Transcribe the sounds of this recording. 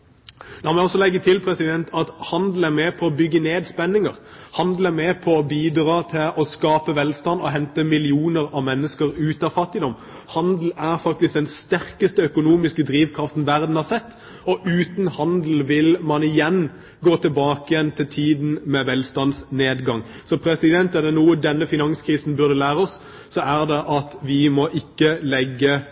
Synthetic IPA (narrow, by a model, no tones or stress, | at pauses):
d̪ɔmɛɔsːɔlɛɡːət̪ʰɪlpʰɾɛsɪd̪ɛnt̪ʰɑt̪hɑnd̪l̩æɾmɛːpʰɔɔbʏɡːəneːd̪spɛnːɪŋəʁ | hɑnd̪l̩æɾmɛːpʰɔɔbiːd̪ɾɑːt̪ʰɪlʔɔskɑːpəʋɛlst̪ɑnd̪ɔɦɛnt̪əmɪlɪuːnəɾɑʋmɛnːəskəɾʉːt̪ɑfɑt̪ːɪd̪ɔm | hɑnd̪l̩æʁfɑk̚t̪ɪsk̚d̪ɛnst̪æɾkəst̪əœkʊnuːmɪskəd̪ɾiːʋkʰɾɑft̪n̩ʋæʁd̪n̩hɑɾsɛt̪ː | ɔʔʉːt̪nhɑnd̪l̩ʋɪlmɑnɪjɛn | ɡoːt̪ʰəlbɑːkɪjɛnt̪ʰɪlt̪ʰiːd̪n̩mɛʋɛlst̪ɑnsneːd̪ɡɑŋ | sɔpʰɾɛsɪd̪ɛnt̪ɛd̪ɛnuːəd̪ɛnːəfɪnɑŋskʰʁiːsn̩bʉʁd̪əlæːɾəɔsː | ɔæʁd̪ɛʔɑt̪ʋɪmɔʔɪkːəlɛɡːə